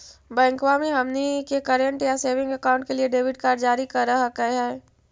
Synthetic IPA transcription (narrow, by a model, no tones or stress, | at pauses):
bɛ̃ːŋkʋamẽɦɐmnikekɐɾə̃ɳʈjaseːʋɪ̃ŋɡəkaːʊ̃ɳʈ̚kelieɖeːʋɪʈkaːɾd͡ʒaːɾikɐɾɐɦakəɦɛː